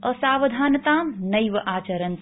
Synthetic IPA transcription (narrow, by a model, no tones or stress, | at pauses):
ɐsaːʋɐd̪ʱaːnɐt̪aːmnɐjʋɐʔaːt͡ʃɐɾɐn